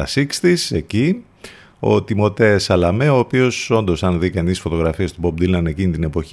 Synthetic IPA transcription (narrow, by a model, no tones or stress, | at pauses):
ɐsikst̪ise̞ci | o̞̰t̪imo̞t̪e̞sɐlɐme̞o̞ːpio̞so̞nd̪o̞sɐnðikɐnisfo̞t̪o̞ɣɾɐfie̞st̪ubo̞b̚d̪ilnɐne̞cinit̪ine̞po̞ç